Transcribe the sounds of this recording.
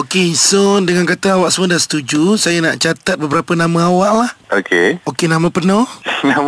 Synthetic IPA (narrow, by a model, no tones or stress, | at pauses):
okeisɔndəŋankat̪aawaʔsəmodasə̥t̪ud͡ʒusajanaʔt͡ʃat̪at̪̚bəbəɾapənamaawaʔlahokeokenamapərnɔnam